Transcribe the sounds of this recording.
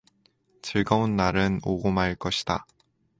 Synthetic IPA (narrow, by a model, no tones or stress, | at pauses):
t͡ɕɯɭɡaonːaɾɯnoɡomɦaɭk͈ʌɕʰi̥d̥a̰